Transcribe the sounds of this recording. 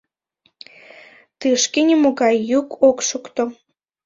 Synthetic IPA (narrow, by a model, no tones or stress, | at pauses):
t̪ɨʃkenʲimoɣɑjːukʰokʃukt̪o